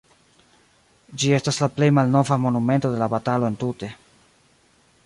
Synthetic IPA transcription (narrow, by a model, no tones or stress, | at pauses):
d͡ʒie̞staslaple̞jmalno̞vamo̞nume̞nto̞de̞labatalo̞e̞ntute̞